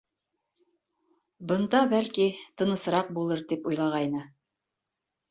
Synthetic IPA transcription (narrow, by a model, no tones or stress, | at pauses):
bɤ̆nd̪ɑbælkit̪ɤ̆nɤ̆sɾɑq̚bulˠɤɾt̪ipujlˠɑʁɑjnɤ